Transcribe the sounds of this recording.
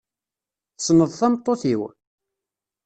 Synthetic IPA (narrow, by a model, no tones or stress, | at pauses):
θsnəðˤθæmt̪ˤːoθiw